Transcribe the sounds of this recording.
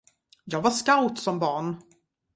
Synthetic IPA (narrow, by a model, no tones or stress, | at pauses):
jɑːɡvaʂkawt̪sɔmbɑːɳ